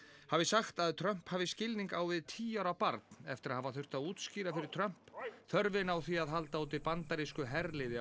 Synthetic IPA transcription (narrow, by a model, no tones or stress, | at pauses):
havɪsaxt̪aðt̪ʰɾœm̥phaːvɪscɪlniŋkaːwvɪðt̪ʰiːawɾawpaɾt̪nɛft̪ɪɾaðhavaθʏ̥t̪aðuːt̪sciːɾafɪɾɪɾ̥t̪ʰɾœm̥pθœɾvɪnawθiaðɦalt̪auːt̪ɪpant̪aɾiskʏɦɛɾlɪːðɪ